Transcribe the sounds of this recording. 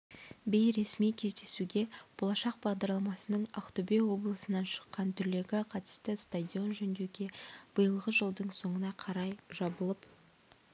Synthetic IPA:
be̞jɾe̞smijkʲʰe̞zd̪e̞suɡʲe̞b̥o̞lˠɑʃɑq̚bɑʁd̪ɑɾlˠɑmɑsənəɴɑqt̪ubewo̞blˠəsənɑnʃə̥qːɑnt̪ʰʏɾle̞ɡʲɪqʰɑt̪ə̥st̪əst̪adʲio̞nʒɵnd̪ewɡʲe̞b̥əjəlˠʁəʒəlˠd̪əɴso̞ɴənɑqʰɑɾɑjʒ̥ɑbəlˠəp

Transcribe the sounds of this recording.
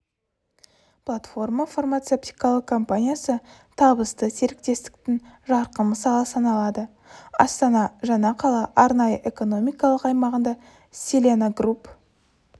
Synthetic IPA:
plˠat̪fo̞rmafarmat̪sept̪ijkɑlˠəq̚kʰo̞mpanʲijasə | t̪ʰɑbəst̪əse̞ɾɪk̚t̪e̞st̪ɪ̥k̚t̪ɪŋʒɑɾqəməsɑlˠəsɑnɑlˠɑd̪ə | ɑ̰st̪ɑnɑʒɑnɑqʰɑlˠɑʔɑɾnɑjəʔe̞ko̞no̞mijkɑlˠəqɑjmɑʁənd̪ɑ | sʲelʲenaɡrup

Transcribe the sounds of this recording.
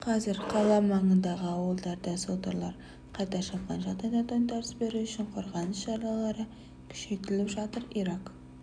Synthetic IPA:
qʰɑzɪɾqʰɑlˠɑmɑɴənd̪ɑʁəɑwəlˠd̪ɑɾd̪ɑsot̪əɾlˠɑɾ | qʰɑjt̪ɑʃɑpqɑnʒɑt̪ɑjd̪ɑt̪ɑnt̪ʰɑɾsbe̞ɾuʏʃɪɴqʰoɾʁɑnəsʃɑɾlˠɑlˠɑɾə | kʲʰʏ̥ʃet̪ɪlɪpʒɑt̪əɾiɾɑq

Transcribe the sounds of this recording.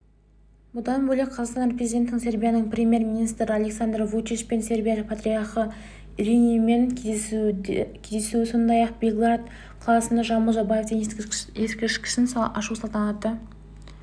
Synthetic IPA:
bʊd̪ɑnbɵleqʰɑzɑʁqsɑnprʲezid̪ʲet̪ːɪŋse̞ɾbʲijanəɴprʲemʲje̞rmʲinijst̪ɾɪalʲeksand̪rvut͡ʃiʃpe̞nse̞ɾbʲijalɪpʰat̪ɾʲiaχə | ɾinime̞ŋʰ | kʲʰezd̪esuɪso̞nd̪ɑjɑq̚bʲeɡlˠart̪ | qʰlˠɑsənd̪ɑʒɑmulˠʒɑbaje̞fd̪eneskʲɪʃkʲɪ̥ʃɪnsɑʃusɑlˠt̪ɑnɑt̪ːə

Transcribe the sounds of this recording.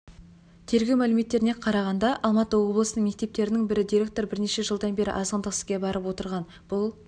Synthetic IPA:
t̪ʰe̞ɾɡʲewmælɪme̞t̪ːe̞ɾɪne̞qʰɑɾɑʁɑnd̪ɑʔɑlˠmɑt̪əwo̞blˠəsənəŋme̞k̚t̪e̞p̚t̪e̞ɾɪnɪŋbɪɾɪd̪ijɾʲe̞k̚t̪o̞ɾbɪɾne̞ʃe̞ʒəlˠd̪ɑnbe̞ɾɪ̰ʔɑzəʁənd̪əqsɡʲebɑɾəpwo̞t̪əɾʁɑn | b̥ʊlˠ

